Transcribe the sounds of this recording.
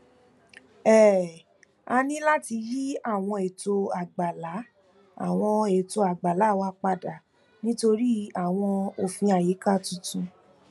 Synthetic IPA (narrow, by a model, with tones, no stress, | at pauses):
ɛ˦˨ | a˧nĩ˦la˦ti˧ji˦a˦˨w̃ɔ̃˧e˨to˧a˨ɡ͡ba˨la˨˦ | a̰˦˨w̃ɔ̃˧e˨to˧a˨ɡ͡ba˨la˨˦˨wa˧˦k͡pa˧da˨ | nĩ˦to˧ɾi˦a˨w̃ɔ̃˧o˧fĩ˧a˨je˨˦ka˦˨tũ˦tũ˧